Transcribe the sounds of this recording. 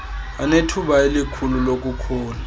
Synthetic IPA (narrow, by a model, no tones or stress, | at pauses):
anetʰuɓaelikʰululok̬ʼukʰɔːna